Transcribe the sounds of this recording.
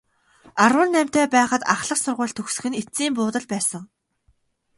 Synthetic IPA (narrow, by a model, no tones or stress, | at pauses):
arwə̆nːæm̥ʲt̪ʰeːpæːχə̆t̪aχɮə̆qsʊrʁʊ̟ːɮt̪ʰɵxsɵ̆xɘ̆net͡siːmpʊːt̪ə̆ɮpæːsə̆ŋ